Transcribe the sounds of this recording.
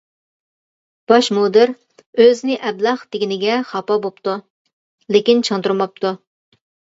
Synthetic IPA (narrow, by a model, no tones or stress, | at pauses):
b̥ɑʃmod̪ɨɾ | øznɪʔɛblˠɑχd̪ɪɡʲinɪɡʲɛχɑpɑbopt̪u | lɪkʲint͡ʃʰɨŋt̪uɾmɑp̚t̪ʰu